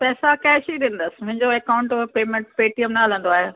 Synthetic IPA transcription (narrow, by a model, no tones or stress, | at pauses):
pɛːsakɐɦɪʃɐiɗĩːn̆d̪əsɪ̥̆mʊ̃ɦɪ̃ɲd͡ʑoeːkaʊ̃ɳʈpeːmẽʈpeːʈijəmnaal̤ə̃nd̪oaːɦeː